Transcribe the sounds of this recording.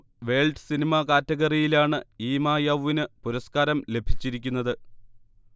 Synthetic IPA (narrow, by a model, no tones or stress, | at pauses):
ʋe̞ːɭɖɨsinimakaːtːɐɣɐrijilaːɳɨiːmaːjaʋːinɨpuɾɐskaːɾɐmle̞bʱi̥t͡ɕːiɾikʲːunːɐðɨ